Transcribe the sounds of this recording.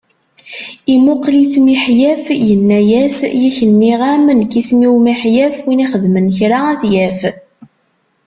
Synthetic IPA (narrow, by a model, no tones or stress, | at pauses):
imʊqlit͡sːmiħjæfjənːæjæsjæçənːiʁamənkismiwmiħjæfwiniχəðmənçɾaæθjæf